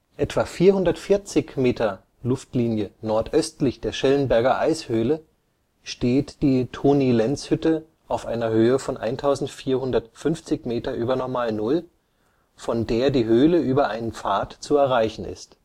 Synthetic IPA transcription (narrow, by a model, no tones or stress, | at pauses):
ʔɛtv̥aːfiːɐhʊndɐtfɪɐt͡sɪçmeːtʰɐ | lʊftliːnjənɔɐtʔœstlɪçd̥eːɐʃɛlənbɛɐɡɐʔa̰ɪshøːlə | ʃteːtd̥iːtʰoːnilɛnt͡shʏtə | ʔaʊfʔa̰ɪnɐhøːəfɔnʔa̰ɪntʰaʊzn̩tfiːɐhʊndɐtfʏnft͡sɪçmeːtɐʔyːbɐnɔɐmaːlnʊl | fɔndeːɐdiːɦøːləʔyːbɐʔaɪnənp͡faːɐtt͡suɛɐʁaɪçn̩ɪ̰st